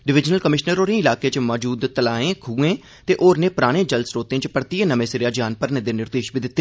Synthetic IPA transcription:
ɖɪʋɪd͡ʒnəlkəmɪʃnəɾoːɾẽːɪlaːkeːt͡ʃmɔːd͡ʒuːd̪t̪əlaːẽːkʰuːẽː | t̪eːʔoːɾneːpʊɾaːɽ̃ẽːd͡ʒəlsɾoːt̪ẽːt͡ʃpəɾt̪iẽːnəmẽːsɪɾjaːd͡ʒaːnpəɾnẽːd̪eːnɪɾd̪eːʃbiːd̪ɪt̪ːeː

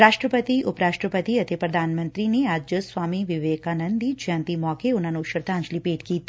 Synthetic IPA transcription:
ɾaːʃʈɾəpət̪iʔʊpɾaːʃʈɾəpət̪iɐt̪epɾɐd̪ʱaːnmɐ̃nt̪ɾineaːd͡ʒd͡ʒəswaːmiʋɪʋeːkaːnə̃nd̪id͡ʒãːnt̪imɔːkeʊn̤ãːnũʃəɾt̪ãːnt͡ʃlipeːʈkiːt̪ʰː

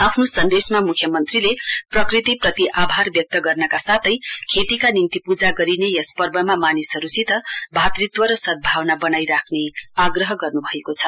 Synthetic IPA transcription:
apʰnosʌnd̪esmamukʰjʌmʌnt̪rileprʌkrit̪iprʌt̪iʔabʱarbjʌk̚t̪ʌɡʌrnʌkasat̪ʰʌjkʰet̪ikanint̪ipud͡zaɡʌɾinejʌspʌrbʌmamanisɦʌɾusit̪ʌbʱat̪rit̪wʌɾʌsʌt̪̚bʱawnabʌnajɾakʰneaɡrʌɦʌɡʌrnubʱʌekot͡sʰʌ

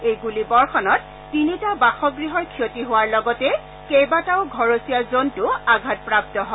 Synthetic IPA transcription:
ejɡulibɔɹxʰɔnɔtː | initabaxɔɡɹiɦɔɹkʰijotiɦʊwaɹlɔɡɔtɛ | kejbataʊɡʱɔɹosiazontʊaɡʱat̚pɹap̚tɔɦɔ

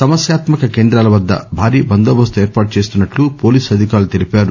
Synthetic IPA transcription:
sɐmɐsjaːt̪mɐkɐkeːnd̪ɾaːlɐʋɐd̪ːɐ̰bʱaːɾiːbɐnd̪oːbɐst̪ueːɾpaːʈut͡ʃe̞ːst̪unːɐʈlupo̞ːliːsɐd̪ʱikaːɾlut̪e̞lipaːɾu

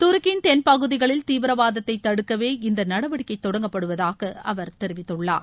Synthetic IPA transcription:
t̪ʊɾɯkɪnt̪ɛnpɐɣɯðɪɣɐɭɪlt̪iːʋɪɾɐʋaːðɐt̪ːɐɪt̪ːɐɽɯkːɐʋeːɪnd̪ɐnɐɽɐʋɐɽɪkːɐɪt̪ːɔɽɐŋɡɐpːɐɽɯʋɐðaːɣɐɐʋɐɾt̪ɛɾɪʋɪt̪ːɯɭːa̰ːɾ

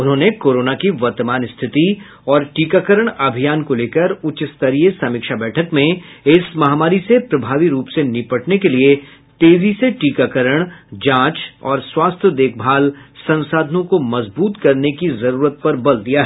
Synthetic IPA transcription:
ʊnɦõːnekoːɾoːnakiʋɐɾt̪əmaːnɪst̪ʰɪt̪i | ɔːɾʈiːkakəɾəɽ̃ɐbʱijaːnkoleːkəɾʊt͡ʃɪst̪əɾijəsɐmɪkʃabɛːʈʰəkmẽɪsmɐɦaːmaːɾisepɾɐbʱaːʋiɾuːpsenɪpəʈnekelie | t̪eːziseʈiːkaːkəɾəɽ̃d͡ʒãːt͡ʃɔːɾswaːst̪ʰjəd̪eːk̚ʰbʱaːlsɐ̃nsaːd̪ʱənõkomɐzbuːt̪kɐɾnekizɐɾuːɾət̪̚pɐɾbɐld̪ijaɦɛː

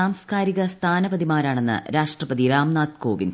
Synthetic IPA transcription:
aːmskaːɾiɣɐst̪ʰaːnɐbɐðimaːɾaːɳe̞nːɨ̰ɾaːʂʈrɐpɐðiɾaːmnaːt̪koːʋḭn

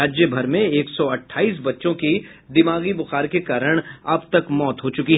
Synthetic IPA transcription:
aːd͡ʒjəbʱɐɾmẽeːksɔɐʈʰːaːiːs̬bɐtːʃõkid̪ɪmaːɡibʊxaːɾkekaːɾəɽ̃ɐbt̪ɐkmɔːt̪ɦot͡ʃʊkiɦ

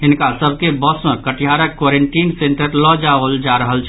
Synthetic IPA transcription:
ɦinkasəbʱkebəsmekəʈiɦaɾəkːwoɾeɳʈinseɳʈəɾlɔd͡ʒabəld͡ʒaɾəɦəlt͡ʃʰ

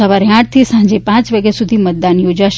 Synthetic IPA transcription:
əʋaɾiãʈ̚t̪ʰisãɲd͡ʒepãt͡ʃʋəɡesud̪ʱimət̪̚d̪anjod͡ʒaʃ

